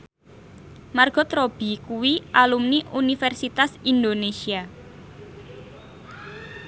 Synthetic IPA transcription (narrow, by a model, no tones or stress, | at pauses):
marɡ̥ɔ̤t̪ɾob̥i̤kuwiʔalumniʔunifɛrsit̪asind̪onesia